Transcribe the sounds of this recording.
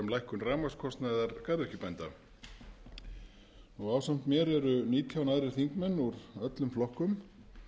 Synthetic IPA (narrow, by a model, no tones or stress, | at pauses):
ɛmlajhkʏnraːmaskʰɔst̪najðaɾkajðɾɛhcɪpajnt̪a | ɔɣaːwsam̥t̪mjɛːɾɛɾʏniːt̪ʰjawnaðɾɪɾ̥θiŋkmɛnːuɾœt̪lʏmflɔhkʏm